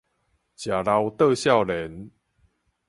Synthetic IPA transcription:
t͡ɕja˨˩la˧wt̪ə˥˧ɕja˥˨wle˨˦n

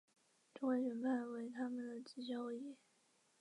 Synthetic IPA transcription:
ʈ͡ʂʊ˥ŋe˧˥ɕɥɛ˧˥npa˥˩nwe˧˥ɪt̪ʰa˥mə˨nd̪ə˩t͡s̩˥˩t͡ɕjɑ˥ʊi˥˩

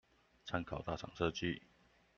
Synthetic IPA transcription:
t͡sʰa˥nkʰɑ˨˩ʊt̪a˥˩ʈ͡ʂʰɑ̰˨˩ŋʂɤ˥˧t͡ɕi˥˩

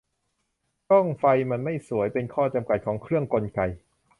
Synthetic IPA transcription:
t͡ɕɔ˥˩ŋfa˧jma˧nma˥˩jsu˩˦əjpe˧nkʰɔː˥˩t͡ɕa˧mka˨˩t̪̚kʰɔː˩˦ŋkʰɾɯ˥˩əŋko˧nka˧j

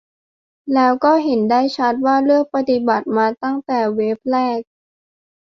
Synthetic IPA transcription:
lɛː˦˥wkɔː˥˩ɦe˩˦ndaː˥˩jt͡ɕʰa˦˥t̪̚waː˥˩lɯ˥˩ək̚pa˧t̪i˨˩ba˨˩t̪̚maː˧t̪a˥˩ŋt̪ɛː˨˩weː˦˥p̚lɛː˥˩k̚

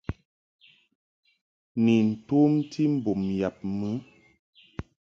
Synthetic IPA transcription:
ni˨n̩˨toː˦mtʰi˦m̩˨bo˨mja˨p̚mɨ˨˦

